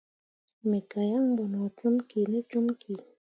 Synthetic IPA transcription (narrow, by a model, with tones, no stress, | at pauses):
me˨ka˨ja˦ŋbɔ˨n˨a˨t͡ʃu˦mki˨ne˦t͡ʃu˦mkʰi˨